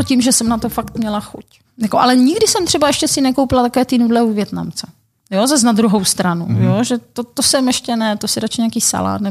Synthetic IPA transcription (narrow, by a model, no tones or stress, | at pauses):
cimʒɛsɛmnat̪ofakt̪mɲɛlaxṵc | jakoʔalɛɲɪɡdɪsɛmt̪r̥ɛbaɛʃcɛsɪnɛkowpɪlat̪akovɛːt̪inudlɛuvjɛt̪na̰mt͡sɛ̥ | jozaznad̪ɾuɦo̞wst̪ɾanujoʒɛt̪ot̪osɛmjɛʃcɛnɛt̪osɪɾat͡ʃɪɲeaːkiːsa̰la̰ːt̪nɛ